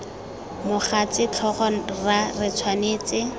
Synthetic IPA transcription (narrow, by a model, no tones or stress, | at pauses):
mʊχat͡sɪt͡ɬʰɔχɔrarɪt͡sʰwaneːt͡sɪ